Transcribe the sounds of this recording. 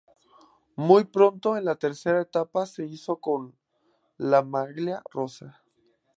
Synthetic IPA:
mujpɾo̞nt̪o̞enlat̪e̞ɾse̞ɾaet̪apase̞iso̞ko̞n | lamaɣlja̰ro̞sa

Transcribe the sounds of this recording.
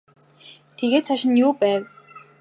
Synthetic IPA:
t̪ʰeɣeːt̪sʰaʃɪ̆njʊːpæːw

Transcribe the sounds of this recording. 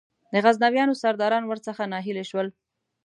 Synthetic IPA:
d̪əɣaznawjɑnosaɾd̪ɑɾɑnwəɾt͡səxanɑɦileʃwəl

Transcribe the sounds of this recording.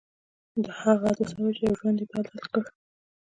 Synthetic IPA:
d̪əhaɣazasawat͡ʃejawʒwand̪epɑd̪alkəɽ

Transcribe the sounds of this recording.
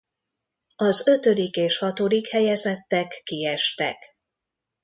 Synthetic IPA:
ɒzø̞t̪ø̞d̪ikeːʃhɒt̪od̪ikhɛjɛzɛt̪ːɛkːiɛʃt̪ɛ̰k

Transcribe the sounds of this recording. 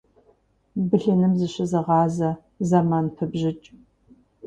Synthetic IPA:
bɨɬɐnɨmzɨɕɐzɐʁɑːzɐ | zɐmaːnpʰɐbʑɪt͡ʃʼ

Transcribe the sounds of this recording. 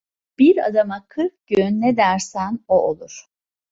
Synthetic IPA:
b̥iɾa̰d̪amakʰɯɾfɟ̥ønːɛd̪æɾsænoʔolˠuɾ̥

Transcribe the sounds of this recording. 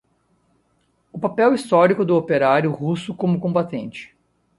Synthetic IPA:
ʊpapɛwist̪ɔɾikʊd̪ʊopeɾaɾjʊhusʊkõmʊkõbat̪ẽnt͡ʃɪ̥

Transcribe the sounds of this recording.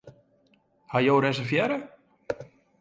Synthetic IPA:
hajowɾɛsəfjɛɾə

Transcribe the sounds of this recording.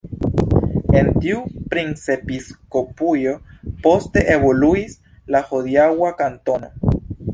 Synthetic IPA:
ent̪iupɾinsepiskopujo̞post̪e̞ʔeβoluis | lahoðjawakant̪ono̰

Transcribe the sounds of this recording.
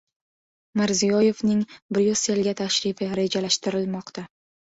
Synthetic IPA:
mɪɾzijɒje̞vnɪŋbɪɾjoselɡʲat̪ʰaʃɾɪfɪɾe̞d͡ʒalaʃt̪ɪɾɪlmɒqt̪ʰa

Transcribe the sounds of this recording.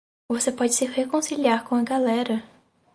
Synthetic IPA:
vosepɔd͡ʒɪsɪhekõsiliaɾkõɐɡalɛɾɐ

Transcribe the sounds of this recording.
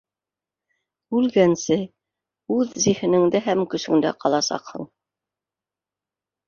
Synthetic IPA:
ʉlɡænsɘ | ʉðzihɘ̆nɘ̆ŋd̪æɦæmkɵ̆sɵ̆ŋd̪æ̰qɑlˠɑsɑ̰qhɤ̰̆ɴ

